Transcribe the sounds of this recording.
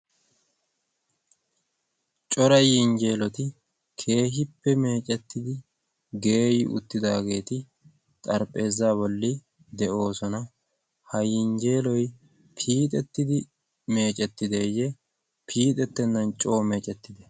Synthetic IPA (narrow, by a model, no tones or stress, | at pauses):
t͡ʃʼɔɾɐjɪnd͡ʒe̞ːlɔt̪ɪ | kʰe̞ːɦɪpːɛme̞ːt͡ʃʼɛt̪ːɪd̪ɪ | ɡe̞ːjɪʔʊ̰t̪ːɪd̪aːɡe̞ːt̪ɪ | t̪ʼɐɾpʼːe̞ːzːaːbɔlːɪ | d̪ɛʔo̞ːsɔnɐ | hɐjɪnd͡ʒe̞ːlɔj | pʰiːt̪ʼɛt̪ːɪd̪ɪ | me̞ːt͡ʃʼɛt̪ːɪd̪ɛjɛ | pʰiːt̪ʼɛt̪ːɛnːɐnt͡ʃʼo̞ːmeːt͡ʃʼɛt̪ːɪd̪ɛ